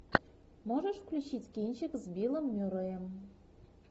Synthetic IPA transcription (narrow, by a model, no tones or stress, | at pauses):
moʒɤ̆ʃfklʲut͡ɕitʲkʲenʲt͡ɕɘ̆kzbʲilˠɤ̆mːʲuɾɤ̆jɤ̆m